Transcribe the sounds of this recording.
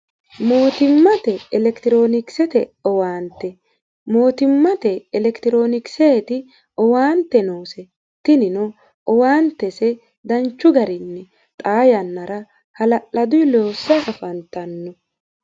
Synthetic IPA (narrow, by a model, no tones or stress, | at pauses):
mo̞ːt̪ɪmːɐt̪ɛɛlɛkt̪ɪɾo̞ːnɪksɛt̪ɛɔwaːnt̪ːɛ | mo̞ːt̪ɪmːɐt̪ɛːlɛkt̪ɪɾo̞ːnɪkseːt̪ɪ | ɔwaːnt̪ːɛnoːsɛ | t̪ɪnɪnɔ | ʔɔwaːnt̪ːɛsɛ | d̪ɐnt͡ʃːʊɡɐɾɪnːɛ | t̪ʼaːjɐnːɐɾɐ | hɐlɐʔɐd̪ʊjloːsːɐʔɐfɐnt̪ɐnːɔ